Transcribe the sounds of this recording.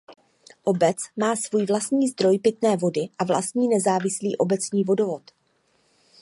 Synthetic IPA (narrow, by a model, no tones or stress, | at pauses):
ʔo̞bɛt͡smaːsvuːjvlast̪ɲiːzd̪ɾo̞jpɪt̪nɛːvo̞dɪʔavla̰st̪ɲiːnɛzaːvɪsliːʔo̞bɛt͡sɲiːvo̞do̞vo̞t̪